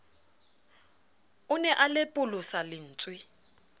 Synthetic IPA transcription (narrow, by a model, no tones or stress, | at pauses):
ʊnɛʔalɪpʼʊlʊsalɪn̩ːt͡sʼwɪ